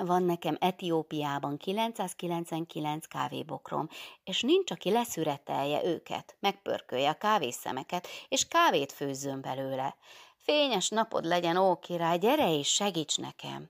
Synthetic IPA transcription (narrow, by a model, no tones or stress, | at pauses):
vɒnːɛkɛmɛt̪ijoːpijaːbɒŋkilɛnt̪saːskilɛnt̪sʋɛŋkilɛnt̪ska̰ːvḛːbo̞kro̰meːʃnint͡ʃɒkilɛsyɾɛt̪ɛ̰jɛ̰ʔøːkɛ̰t̪mɛk̚pø̰rkøjɛɒkaːveːsɛ̰mɛkɛt̪eːʃkaːveːt̪føːzːømbɛløːlɛfeːɲɛʃnɒpo̞̰d̪lɛɟɛnoːkeːɾaːɟɛɾɛeʃːɛɡiːt͡ʃnɛ̰kɛ̰m